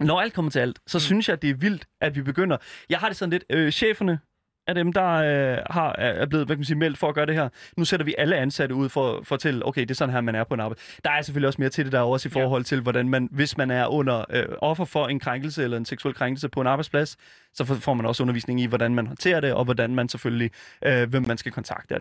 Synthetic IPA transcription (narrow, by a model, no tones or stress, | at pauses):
nɒæld̥̚kʰɒ̽mɐt͡sʰe̝æl̰d̥sɒ̽synsjɑ̈ɪd̥e̝æɐʋil̰d̥ʔæd̥ʋib̥e̝ɡ̥øn̰ɐjɑ̈ɪɦɑ̈d̥ɾe̝sɒn̩le̝d̥øɕḛːfɐnə | ʔæd̥emd̥ɑ̈øhɑ̈ɐble̝ːð̞̩ˠʋækæmænsiːmel̰d̥fɒ̽ɒɡ̥ɶːɐd̥ehæɐnuseɾ̥ɐʋiʔæləænsæɾəuð̞̰ˠfɒfɒ̽t͡sʰel̰əʔo̰ʊkʰeɪd̥e̝ɐsɒ̽nɦæɐmænæɐpʰɒ̽enɑ̈ːbḁ | d̥ɑ̈æɐseføliɒsme̝ːɐt͡sʰe̝de̝d̥æɒsifɒːɦɒ̽l̰t͡sʰe̝lʋɒdænmænʋe̝smænæɐʔɔ̽n̰ɐø̰ɒ̽fɐfɒ̽e̝nkʰʁaŋɡ̥l̩səelɐe̝nseɡsuel̰kʰʁaŋɡ̥l̩səpʰɒ̽e̝nɑ̈bɑ̈ɪspʰlæs | sɒ̽fɒ̰ːmænɒ̽sɔ̽nɐʋḭːsne̝ŋ̩iʋɒdænmænhɦɒ̽nt͡sʰe̝̰ːɐd̥e̝ʔɒ̽ʋɒdænmænsefølliʔøʋemːænsɡ̥ækʰɒ̽nt͡sʰɑ̈ɡ̥̚d̥ə̥